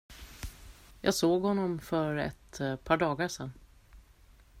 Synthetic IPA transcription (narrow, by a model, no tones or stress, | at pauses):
jʔɑ̰ːɡsoːɡhɔnːɔmfœɾɛ̰t̪pʰɑːɖɑːɡaʂɛn